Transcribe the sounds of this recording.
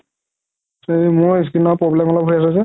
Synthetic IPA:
smʊɹis̬kinɔpɹɔblɛmɔlɔbɦojas̬ɛsɛ

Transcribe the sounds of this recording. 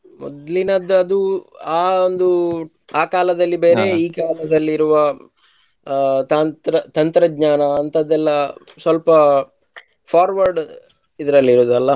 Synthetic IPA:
mɔ̰d̪linɐd̪ɐd̪uaːond̪u | aːkaːlɐd̪ɐlːibe̞ːɾe̞iːkaːlɐd̪ɐlːiɾuʋɐ | t̪aːnt̪ɾɐt̪ɐnt̪ɾɐɡɲaːnɐːnt̪ɐd̪ːɛlːɐ | sʋɐlpɐ | pʰaːɾʋɐɾɖ | id̪ɐɾɐlːiɾoːd̪ɐlːɐ

